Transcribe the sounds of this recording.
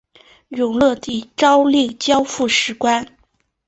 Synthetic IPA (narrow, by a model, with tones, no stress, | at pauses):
jʊ˨˩ŋlɤ˥˧t̪i˥˩ʈ͡ʂɑ˥ʊli˥˩ŋt͡ɕjɑ˥ʊfu˥˩ʂɻ̩˧˥kwa˥n